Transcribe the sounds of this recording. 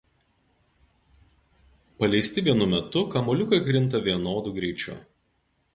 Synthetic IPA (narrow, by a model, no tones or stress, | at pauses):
pɐlʲɛɪsʲt̪ʲɪʋʲiɛnʊmʲɛt̪ʊkɐmɔlʲʊkɐɪkɾʲɪnt̪ɐʋʲiɛnoːd̪ʊɡɾʲɛɪt͡ʃʲʊ̰